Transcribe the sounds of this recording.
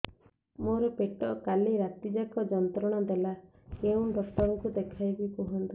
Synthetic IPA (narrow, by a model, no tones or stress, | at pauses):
moɾɔpeʈɔkaliɾat̪id͡ʒakɔd͡ʒɔnt̪ɾɔɽ̃ɔd̪ela | keũɖɔk̚ʈ̪ɔɾɔŋkud̪ekʰajbikuɦɔnt̪i